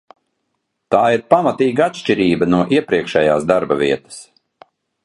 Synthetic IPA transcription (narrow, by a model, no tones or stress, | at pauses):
t̪aːiɾpamat̪iːɡaat̪ʃt͡ʃiɾiːbɐnuɔʔiɛpɾiɛkʃɛjaːsd̪aɾbɐvʲiɛt̪ɐ̥s